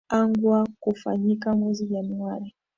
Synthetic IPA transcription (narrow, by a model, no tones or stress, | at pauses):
aŋɡwakufa̰ɲikamwɛziʄanuaɾi